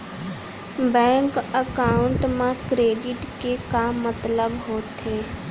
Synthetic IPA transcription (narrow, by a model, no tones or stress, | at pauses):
bɛ̃ːŋkəkaːʊɳʈmẽkɾeːɖɪʈkekamət̪ləbɦoːt̪eː